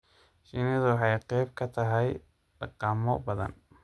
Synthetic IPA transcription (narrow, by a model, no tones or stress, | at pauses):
ʃinɪðʊwħɑjqɛjb̚kʰɐt̪ʰɐɦɛj | ɖɑqɑːmɔbɐðɐ̰n